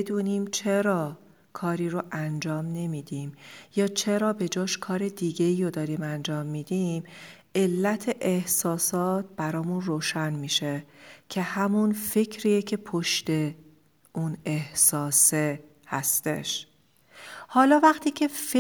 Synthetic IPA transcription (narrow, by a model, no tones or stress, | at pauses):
ed̪uːniːmt͡ʃʰe̞ɾɒː | kʰɒːɾiːɾoʔænd͡ʒɒːmne̞miːd̪iːmjɒːt͡ʃʰe̞ɾɒːbe̞d͡ʒɒːʃkʰɒːɾe̞d̪iːɡe̞iːɾod̪ɒːɾiːmænd͡ʒɒːmːiːd̪im | e̞lːæt̪ʰeʔehsɒːsɒːt̪̚b̥æɾɒːmunroːʃænmiːʃecʰehæmunfe̞cʰɾiːjecʰe̞pʰoʃt̪e̞ | ʔunehsɒːse | hæst̪e̞̰ʃ | hɒːlɒːvæxt̪ʰiːcʰe̞f